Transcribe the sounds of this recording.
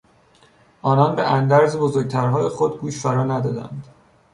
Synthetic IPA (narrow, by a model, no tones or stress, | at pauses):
ʔɒːnɒnbḛʔænd̪æɾzebozoɾɡɟ̚t̪ʰæɾɦɒːjexod̪ɡuːʃfæɾɒːnæd̪ɒːd̪æ̰nd̪̥